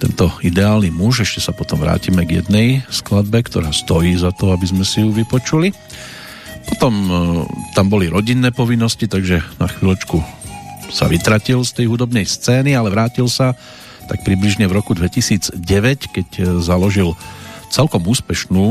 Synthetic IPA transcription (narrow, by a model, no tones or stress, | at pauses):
t̪ɛ̰nt̪ɔid̪ɛaːlnimuʒɛʃcɛsapɔt̪ɔmʋɾa̰ːcimɛɡjɛ̰d̪nɛjsklad̪̚bɛkt̪ɔɾaːst̪ɔjiːzat̪ɔabizmɛsijuʋipɔt͡ʃuli | pɔt̪ɔm | t̪ambɔliɾɔɟinːɛːpɔʋinːɔscit̪aɡʒɛna̰xʋilɔt͡ʃku | sa̰ʋit̪ɾacilst̪ɛjɦud̪ɔbnɛjst͡sɛːnialɛʋɾaːcilsa | t̪ak̚pɾibliʒɲɛvɾɔkud̪ʋɛcisiːd͡zɟɛʋɛckɛczalɔʒilt͡sɛlkɔmuːspɛʃnuː